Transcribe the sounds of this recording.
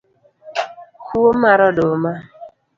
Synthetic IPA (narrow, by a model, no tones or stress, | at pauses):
kuomaɾɔdoma